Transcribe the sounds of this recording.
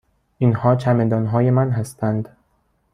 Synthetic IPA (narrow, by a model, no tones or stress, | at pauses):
ʔinhɒːt͡ʃʰæmed̪ɒːnɦɒːje̞mænɦæst̪ænd̪